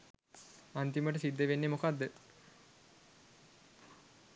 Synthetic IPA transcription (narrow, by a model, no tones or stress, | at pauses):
ant̪iməʈəsid̪ːeʋenːemokad̪ːə